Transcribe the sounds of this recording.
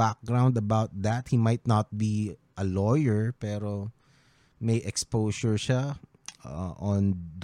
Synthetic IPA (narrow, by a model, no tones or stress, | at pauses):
ak̚ɡɹãwnd̪ɐbawt̪̚d̪æt̪̚himajt̪̚nat̪̚biʔɐlɔjɛɹpɛːɾo | mejʔɛkspoʃɔɹʃa | ʔɔ̃nd̪